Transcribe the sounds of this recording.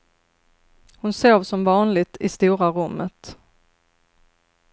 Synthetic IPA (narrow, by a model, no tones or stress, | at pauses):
hʊnsoːvsɔmvɑːnlɪɡt̪ʰɪst̪uːɾaɾɵmːət̪